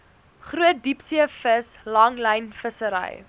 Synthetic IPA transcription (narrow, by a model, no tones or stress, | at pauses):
χruət̚dipsiəfəs | lɐŋləjnfəsəɾɐ̰j